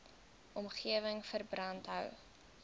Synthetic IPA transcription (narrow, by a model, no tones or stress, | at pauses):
ʔɔmχiəvəŋfərbrɐntɦœw